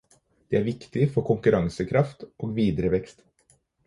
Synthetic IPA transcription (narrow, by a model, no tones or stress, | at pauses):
d̪̥ɛæːɾʋɪkt̪ɪfɔɾkʰʊŋkʉɾɑŋsəkʰɾɑft̪ʔoːɡʋiːd̪ɾəʋɛkst̪